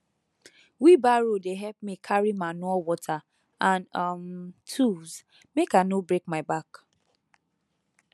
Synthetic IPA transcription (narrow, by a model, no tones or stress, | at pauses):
wibaɹodeɦɛp̚mikʰaɹimanɔwɔtʰa | ãnʌmtʰuz | mekanobɹekmaɪbak